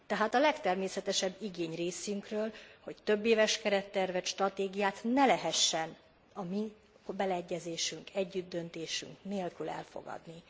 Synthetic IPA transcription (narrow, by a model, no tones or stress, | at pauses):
t̪ɛɦaːt̪ɒlɛkt̪ɛrmeːsɛt̪ɛʃɛbːiɡeːɲreːsyŋkrøːlho̞ct̪ø̞bːeːvɛʃkɛɾɛt̪ːɛrvɛt̪ʃt̪rɒt̪eːɡijaːt̪nɛlɛɦɛʃːɛn | ɒmi | bɛlɛɛɟːɛzeːʃyŋkʰɛɟːyd̪ːø̞nt̪eːʃy̰ŋkneːlkylɛ̰lfo̞̰ɡɒ̰d̪ni